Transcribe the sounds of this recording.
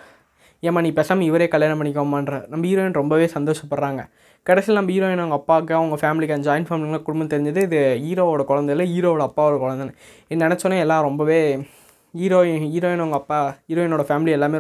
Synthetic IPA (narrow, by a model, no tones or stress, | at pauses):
emːaːniːpɛsɐmɪʋɐɾeːkɐɭljaːnɐpɐɳːɪk̬ːomːaːnɾɐnɐmbɐiːɾoːɪnɾɔmbɐʋeːsɐnd̪oːʂɐpːɐɽɾaːŋɡɐ̰ | kɐɽɛsɪlnɐmbɐiːɾoːɪnɐʋŋɡɐːpːaːkːɯɐʋɐŋɡɐfaːmɪlɪkːɐnd͡ʒɐːjnfaːmɪlɪŋɐlakʊɽʊmbɐnt̪ɛɾɪɲd͡ʒɐðɯɪðɯiːɾoːʋoːɽɐkɔɻɐnd̪ɐɪlːɐiːɾoːɔɽɐɐpːaːɔɽɐkɔɻɐnd̪ɐnɐ | ɪnːɛnɛt͡ʃːɔnːɐ̃ɛlːãːɾɔmbɐʋeː | iːɾoːiːɾoːɪnʋɐŋɡɐːpːaːiːɾoːɪnoːɽɐfaːmɪlɪɛlːaːmeː